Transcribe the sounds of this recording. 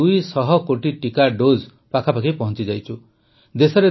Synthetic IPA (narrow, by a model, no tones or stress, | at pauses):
ujsɔɦɔkoʈiʈikaɖod͡ʒ | pakʰapakipɔɦɔ̃nt͡ʃid͡ʒajt͡ʃʰu | d̪esɔɾe